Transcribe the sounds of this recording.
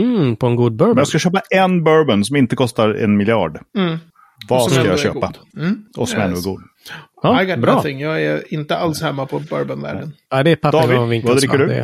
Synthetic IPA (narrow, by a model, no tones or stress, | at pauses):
pʰɔɛnɡuːd̪̚bœmɛnjaskaɕøːpaɛnbœɾbənsɔmɪnt̪əkʰɔst̪aɾɛ̰nmɪlɪɑ̰ːɖm̩ | vasajaɕø̰ːɡpaʔɔsɔmɛnːʉæɾɡuːd̪ | ɑaɪɡɑbɾt̪ɪŋjɑːɡɛɪnt̪əalshɛmːapʰɔbœ̰ɾbənvæ̰ːɖənad̪ɛpʰad̪ɪvad̪ɾɪkːəɖɵɛ̰